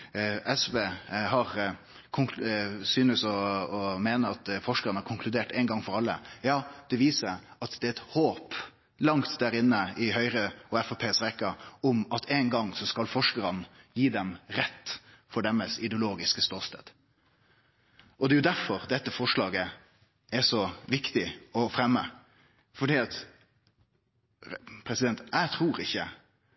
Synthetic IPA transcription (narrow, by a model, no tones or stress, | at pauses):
ɛsʋeːɦɑɾ | kʰʊŋksyːnəsɔɔmeːnəɑt̪fɔʂkəɾənəhɑɾkʰʊŋkʰlʉd̪eːʈɛɪnɡɑŋfɔɾɑlːə̰jɑːd̪̥ɛʋiːsəɾɑt̪d̪̥ɛːɛt̪hoːp | lɑŋt̪d̪æɾɪnːəɪɦœʏɾəɔɛfɔpʰeːsɾɛkɑɔmɑt̪ʰeːnɡɑŋːsɔskɑlfɔʂkəɾən | jiːd̪ɛmɾɛt̪ːfɔɖɛməsɪd̪ɛʊloːɡɪskəst̪oːst̪ḛːd̪ | ʔɔd̪ɛːjʊd̪æfɔɾd̪ɛt̪ːəfɔʂɭɑːɡə | ɛsɔʋɪkt̪ɪɔfɾɛmːə | fɔɖiːɑt̪ | pʰɾɛsɪd̪ɛnt̪æɪt̪ʰɾuːɾɪçːə